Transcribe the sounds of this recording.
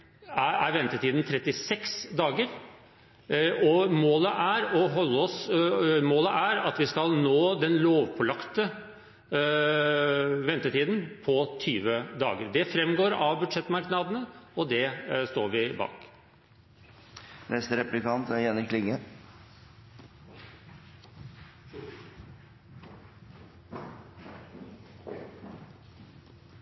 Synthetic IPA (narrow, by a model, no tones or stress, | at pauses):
ææɾʋɛnt̪ət̪ʰiːd̪n̩t̪ʰɾɛt̪ːɪsɛksd̪ɑːɡəɾ | ɔmoːləʔæɾɔɦɔlːəɔsmoːləʔæɾɑt̪ʋɪskɑlnoːd̪ɛnloːʋpʰɔlɑkt̪ə | ʋɛnt̪ət̪ʰiːd̪n̩pʰɔt̪ʰyːʋəd̪ɑ̰ːɡəɾd̪ɛfɾɛmɡoːɾɑʋbʉd̪ʂɛt̪ːmɑɾknɑːd̪ənəɔd̪ɛst̪oːɾʋɪbɑ̰ːk | nʔɛst̪əɾɛplɪkɑnt̪æɾjɛnɪɾkʰːlɪŋːə